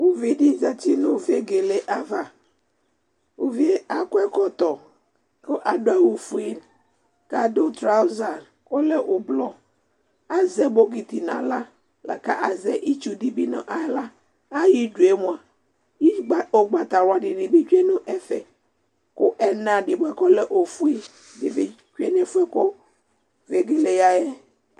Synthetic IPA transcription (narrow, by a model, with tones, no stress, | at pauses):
wo˦vi˦dɪ˦za˨t͡ʃi˦nʊ̃˦˨ve˦ɡe˨le˨ʔa˨va˨ | wo˦vi˦e˦a˨kʊ˦ɛ˦kɔ˨t̪ɔ˨ | ko˦ʔa˨do˦ɛ˦wu˨fu˨i˦n | ka˨do˦t̪ɾa˦ʊ˦za˨n | o˦le˦ʔʊ˨blɔ˦ | a˦zɛ˦bo˦ɡi˨t̪i˨nã̰˨la˦ | la̰˨ka̰˦ʔa˨zɛ˦ʔi˦t͡ʃu˨di˨bi˦nʊ̰̃˨ʔa˨ɛ˦la˦ | a˦ji˦du˨e˦mʊ̃˨a˨ | ji˦˨o˨ɡ͡ba˨t̪a˨ɾʊ˨a˨ɖɪ˨nɪ̃˨ve˦d͡ʒu˦e˦nʊ̃˦ʔɛ˦fɛ˨ | kʊ˦ʔɛ˦nã˨dɪ˨bʊ˦ɛ˦kɔ˦lɛ˦ʔo˨fu˦e˦ | dɪ˨ve˨ | t͡ʃu˦e˦nɛ˦fu˦ɛ˦ko˦ | ve˨ɡe˦le˨ja˦jɛ˦